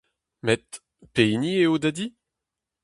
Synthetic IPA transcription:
mɛt̪ | penieod̪ad̪i

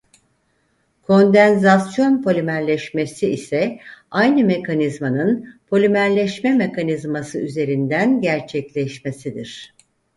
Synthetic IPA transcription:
kʰo̞nd̪ænzasjo̞npʰo̞lʲymæɾlʲɛʃme̞siisɛajnɯme̞kʰanizmanɯnpʰo̞lʲymæɾlʲɛʃmɛme̞kʰanizmasɯyze̞ɾind̪ænɟæɾt͡ʃʰɛclʲɛʃmesid̪iɾ̝̥

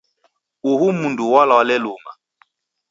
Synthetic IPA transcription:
uhumunduwalawalɛluŋa

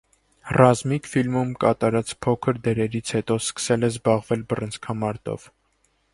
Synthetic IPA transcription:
rɑzmikfilmumkɑt̪ɑɾɑt͡spʰɔkʰəɾd̪ɛɾɛɾit͡sʰhɛt̪ɔskə̥sɛlɛzbɑʁvɛlbərənt͡sʰkʰɑmɑɾt̪ɔ̰v̥

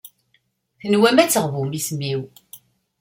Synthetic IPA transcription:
θənwæmæt͡sːəʁvumismiw

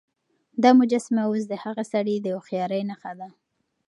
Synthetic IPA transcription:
d̪ɑmʊd͡ʒasmawos̬d̪əhaɣasaɽid̪əoxjɑɾəjnaxad̪a

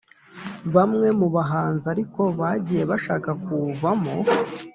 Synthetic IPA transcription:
βamŋe̞muβaɦaːnzaɾiko̞βaɟiːje̞βaʃaːkakuvamo̞

